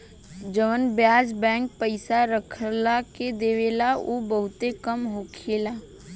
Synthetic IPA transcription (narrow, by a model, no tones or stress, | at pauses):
d͡ʒəʋənbjaːd͡ʒbɛ̃ːŋk̚pəɪsaɾəkʰlaked̪eːʋeːlaobəɦʊt̪ekəmɦoːkʰelaː